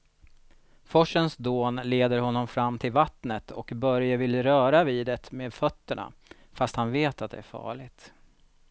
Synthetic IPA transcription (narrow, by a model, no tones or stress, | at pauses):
fɔʂənsd̪oːnleːd̪əɾɦɔnːɔmfɾamːt̪ʰɪlvat̪nət̪ʰɔkbœɾjəvɪlɾœːɾaviːd̪ɛt̪meːd̪fœt̪ːəɳa̰ | fast̪hanveːt̪at̪̚d̪ɛ̰æɾfɑ̰ːɭɪɡt̪